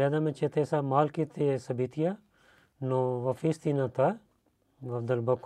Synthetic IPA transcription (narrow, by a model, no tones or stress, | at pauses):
ed̪amẽt͡ʃet̪ʰesamaːlkit̪ʰesɐbit̪ʰija | noʋɐfiːst̪inãt̪a | ʋɐfd̪ɐlbɐk